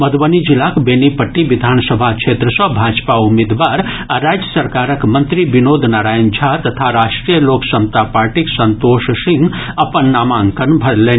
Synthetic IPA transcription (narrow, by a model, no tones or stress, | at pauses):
məd̪bənid͡ʒilːakbenipəʈːibid̪ʱansəbʱat͡ʃʰet̪ɾəsə̃bʱad͡ʒpaumed̪ʋaɾ | aɾad͡ʒjəsəɾkaɾəkmənt̪ɾibinod̪ʱnaɾaːjnd͡ʒʱat̪ət̪ʰaɾasʈɾijəloksəmt̪apaɾʈiksənt̪oʃsiŋɡəpənːamaŋkənbʱəɾlen